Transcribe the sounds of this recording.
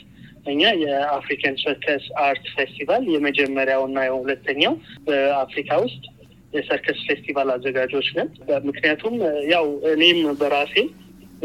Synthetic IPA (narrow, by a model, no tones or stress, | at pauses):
ʔɨɲːajɛafɾikʰansəɾkʰəsaɾt̪fest̪ivaljɛməd͡ʒɛmːəɾjawɨnːajɛõhulət̪ʰːəɲːawbəafɾikʰawʊst̪ʼ | jɛsəɾkʰəsfest̪ʰivalazːəɡad͡ʒo̞t͡ʃːnənbəmɨknijat̪ʰumjawɨne̞mbəɾase